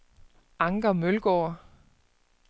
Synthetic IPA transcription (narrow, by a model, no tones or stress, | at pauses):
ʔɑ̈ŋɡ̥ɐmølɡ̥ɔ̰ːɐ